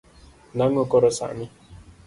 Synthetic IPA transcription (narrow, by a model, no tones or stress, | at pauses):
nãŋɔkɔɾɔsa̰mĩ